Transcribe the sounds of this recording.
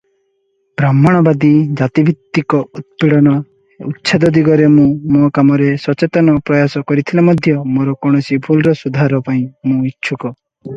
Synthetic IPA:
bɾamːɔɽ̃ɔbad̪id͡ʒat̪ibʱit̪ːikɔut̪̚piɽɔnɔ | utːʃʰad̪ɔd̪iɡɔɾemũmokamɔɾesɔt͡ʃet̪ɔnɔpɾɔjasɔkɔɾit̪ʰilamɔd̪ʱjɔmoɾɔkɔɽ̃ɔsibʰʱulɾɔsud̪ʱaɾɔpaĩmũitːʃʰukɔ

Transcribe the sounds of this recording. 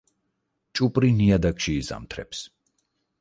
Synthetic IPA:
t͡ʃʼupʼɾiniad̪akʃiːza̰mt̪ʰɾɛ̰ps

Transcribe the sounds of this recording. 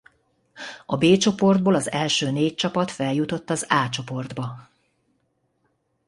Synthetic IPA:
ɒbeːt͡ʃo̞po̞rd̪̚boːlɒzɛlʃøːneːc̚t͡ʃɒpɒt̪fɛljut̪o̞t̪ːɒzaːt͡ʃo̞po̞rd̪bɒ

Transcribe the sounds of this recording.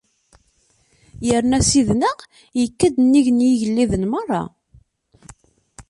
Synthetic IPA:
jəɾnæsiðnəʁ | jəkːæd̪nːiʝnjiʝəlːiðənmərˤːɑ̰

